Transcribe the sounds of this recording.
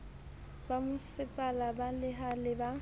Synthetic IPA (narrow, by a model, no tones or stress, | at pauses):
bamʊsɪpʼalabalɪɦalɪba